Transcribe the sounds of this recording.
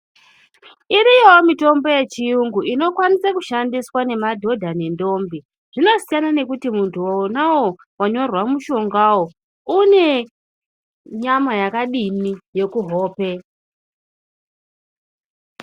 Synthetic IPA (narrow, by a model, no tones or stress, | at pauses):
iɾijo̞mito̞mbo̞je̞t͡ʃiuŋɡuʔino̞kwanisakuʃandiswane̞madʱo̞dʱane̞ndo̞mbi | ʐ̥ino̞sijanane̞kutimuntʰuwoonawo | waɲo̞rwamuʃo̞ŋɡawo | une̞ | ɲamajakaɗinije̞kuɦo̞ːpe̞